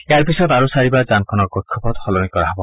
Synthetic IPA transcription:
eaɾpisɔd̪aɾusaɾibad͡ʒankʰɔnɔkɡɔkʰːɔpɔt̪xɔlɔnikɔɹaɦɔbɔ

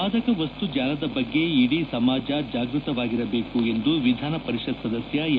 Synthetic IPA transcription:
aːd̪ɐkɐʋɐst̪ud͡ʒaːlɐd̪ɐbɐɡːe̞iɽisɐmaːd͡ʒɐd͡ʒaːɡɾut̪ɐʋaːɡiɾɐbe̞ːkue̞nd̪uʋid̪ʱaːnɐpɐɾiʂɐd̪sɐd̪ɐsjɐ

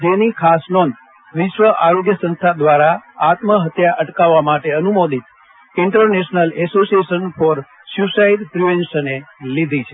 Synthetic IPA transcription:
d͡ʒenikʰasnɔnd̪ | ʋɪʃʋəʔaɾoɡjəsə̃nst̪ʰad̪ʋaɾaat̪məɦət̪jaʔəʈkaʋːamaʈeənumod̪ʱit̪ | ɪɳʈəɾneʃnəlɛsosieʃənfɔɾ | sjusaiɖpɾiʋensənelid̪ʱit͡ʃʰe

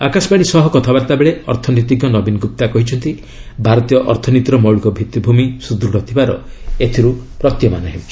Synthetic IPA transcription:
akasɔpaɽ̃isɔɦɔkɔt̪ʰabaɾt̪abeɭeɔ̰ɾt̪ʰɔnit̪iɡjɔnɔbinɔɡup̚t̪akɔɦit͡ʃʰɔnt̪i | bʱaɾɔt̪ijɔʔɔɾt̪ʰɔnit̪ɾɔmɔɭikɔbʱit̪ːibʱumisud̪ɾuɽɔt̪ʰibaɾɔ̰et̪ʰiɾupɾɔt̪jɔmanɔɦebut͡ʃʰi̥

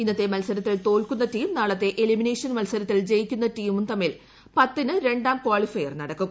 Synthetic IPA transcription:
inːɐt̪ːe̞mɐlsɐɾɐt̪ːilt̪o̞ːlkunːɐtiːmnaːɭɐt̪ːe̞ʔelimineːʂɐnmɐlsɐɾɐt̪ːild͡ʑejikʲːunːɐtiːmumt̪ɐmːil | pɐt̪ːinɨɾe̞ɳɖaːmkwaːɭifɐjɐrnɐɽɐkːu

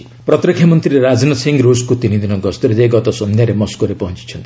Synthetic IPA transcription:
pɾɔt̪ɾikʰːjamɔnt̪ɾiɾeɾad͡znɔsiŋɡɾoskut̪inid̪inʌɡɔst̪ɔɾed̪eɡɔt̪ɔsɔnd̪ʱjaɾemɔskoɾepɔɦɔnt͡ʃi̥t͡ʃʰʌnt̪ii

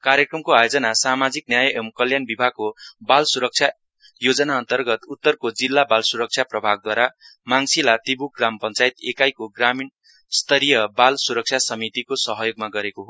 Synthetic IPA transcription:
kaɾjekrʌmkoajod͡zʌnasamad͡zik̚njajʔemkʌljanbibʱaɡ̚kobalsuɾʌk̚t͡ʃʰja | jod͡zʌnaʌnt̪ʌrɡʌt̪ut̪ːʌrkod͡zilːabalsuɾʌk̚t͡sʰjaprʌbʱaɡ̚d̪waɾa | maŋsilat̪ibuɡrampʌnt͡sajit̪ekajkoɡramin | st̪ʌɾijʌbalsuɾʌk̚t͡sʰasʌmit̪ikosʌɦʌjoɡmaɡʌɾekoɦo

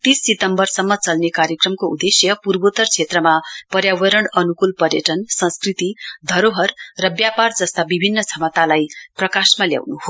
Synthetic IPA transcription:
t̪isːit̪ʌmbʌrsʌmːʌt͡sʌlnekaɾjekrʌmkoud̪esjʌpurbot̪ʌrt͡sʰet̪rʌmapʌɾjawʌɾʌɳʌnukulpʌrjʌʈʌnsʌ̃nskrit̪id̪ʱʌɾoɦʌrːʌbjapard͡zʌst̪abibʱinːʌt͡sʰʌmʌt̪alajprʌkasmalja̰wnuɦo

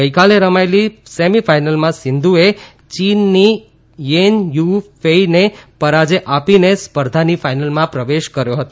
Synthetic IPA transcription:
əjkaleɾəmajlisemifajnəlmãsɪnd̪ʱue | t͡ʃinːi | jenjufeinepəɾad͡ʒeʔapinespəɾd̪ʱanifajnəlmãpɾəʋeʃkəɾjoɦət̪o

